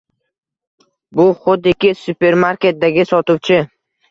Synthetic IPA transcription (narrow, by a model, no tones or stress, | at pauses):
bʊχʊd̪ɪkʲɪsʊpe̞ɾmaɾkʲe̞t̪̚d̪aɡʲɪsɒt̪ʰʊwt͡ʃʰɪ